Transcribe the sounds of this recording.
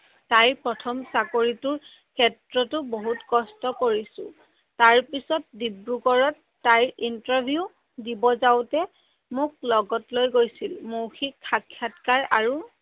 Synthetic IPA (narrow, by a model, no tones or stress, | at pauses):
tajpɹɔtʰɔmsakoɹituɹ | kʰɛtɹɔtʊboɦutkɔstɔkoɹisʊ̰̃ | taɹpisɔt̚dibɹukɔɹɔtːajintɔɹbʱiu | dibɔzawtɛ | mʊk̚lɔɡɔtlojɡojsilmowxʰikʰːakʰːjatkaɹaɹu